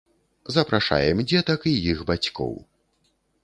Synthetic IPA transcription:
zɐpɾaʂa̰jɛmd͡zʲɛt̪ɐkijixbat͡sʲkɔ̰w

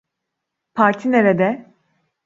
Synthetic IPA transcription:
pʰaɾt̪ʰineɾed̪ɛ

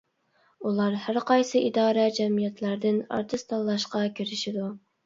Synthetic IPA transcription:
ulˠɑɾhæɾqɑjsɨʔid̪ɑːɾɛd͡ʒɛmijɛt̪ʰlæɾd̪ɪnɑ̰ɾt̪ʰɨst̪ʰɑlˠːɑʃqɑkʲʰiɾɪʃid̪u

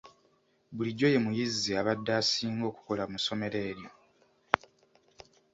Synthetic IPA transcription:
βuliɟːo̞je̞mujizːiaβadːaːsiːŋɡo̞ːku̥ko̞lamuso̞me̞ɾe̞ːɾjo

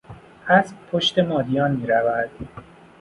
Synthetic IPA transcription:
ʔæsbpʰoʃt̪emɒːd̪ijɒːnmiːɾævæd̪̥

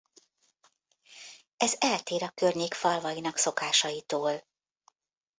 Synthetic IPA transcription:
ɛzɛlt̪eːɾɒkørɲeːkfɒlvɒjinɒkso̞kaːʃɒjit̪oːl

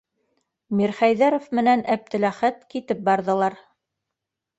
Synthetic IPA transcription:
miɾχæjðæɾofmɘ̆nænæp̚t̪ɘ̆læχæt̪kit̪ɘp̚bɑɾðɤ̆lˠɑɾ

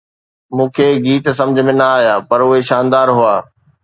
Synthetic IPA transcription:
mũːkʰeːɡiːt̪sɐ̃md͡ʑʱə̆mẽnɐaːɦijaːpɐɾʊɦeʃaːnd̪aːɾɦuaː

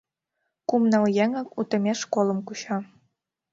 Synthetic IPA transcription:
kumnɑljæŋɑkut̪ə̆mʲeʃkolə̆mkuɕɑ

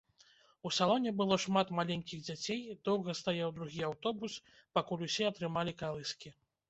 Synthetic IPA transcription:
usalˠɔnʲɛbɨlˠɔʂmat̪malʲenʲkʲiɣd͡zʲat͡sʲejd̪ɔwɣɐst̪ajawd̪ɾuɣʲiawt̪ɔbus | pakulʲusʲɛɐt̪ɾɨmalʲikalˠɨskʲi

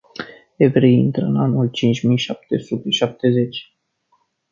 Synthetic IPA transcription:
evɾeint̪ɾəɨnanult͡ʃint͡ʃʲmijʃap̚t̪esut̪e̞ʃap̚t̪e̞ze̞t͡ʃʲ

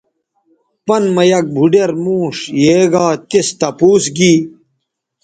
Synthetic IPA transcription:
pɐnmɐjɐk̚bʱuɖeɾmuːʂjeːɡaːt̪ist̪ɐpuːsɡiː

